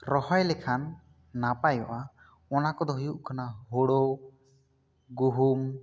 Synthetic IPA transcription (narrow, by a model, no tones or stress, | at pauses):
ɾɔhɔjlɛkʰanː | apajɔʔa | ɔnakɔd̪ɔɦujuʔkanaɦɔɽɔ | ɡuɦum